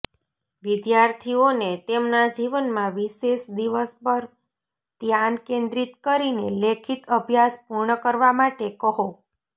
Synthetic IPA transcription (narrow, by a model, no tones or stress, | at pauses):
ʋid̪jaɾt̪ʰionet̪emnad͡ʒiʋənmãʋiʃeʃd̪iʋəspəɾ | t̪jankẽnd̪ɾit̪kəɾinelekʰit̪əbʱjaspuɾɳəkəɾʋamaʈekəɦo